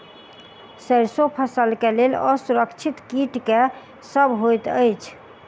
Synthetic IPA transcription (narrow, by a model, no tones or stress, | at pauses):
səɾsopʰəsəlkeleləsuɾəkt͡ʃʰit̪kiʈke | səbɦojt̪əjt͡ʃʰ